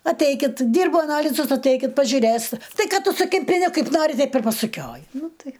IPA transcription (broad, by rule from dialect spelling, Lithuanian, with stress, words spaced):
ɐtʲˈɛɪkʲɪt ˈdʲiːrbʊ ɐˈnɑːlʲɪzʊs ɐtʲˈɛɪkʲɪt pɐʒʲʊˈrʲeːst ˈtɐɪ ˈkɐt ˈtʊ sʊ kʲɪmʲpʲɪˈnʲɛ ˈkɐɪp ˈnɑːrʲɪ ˈtʲɛɪp ɪr pɐsʊˈkʲoːjɪ ˈnʊ ˈtɐɪ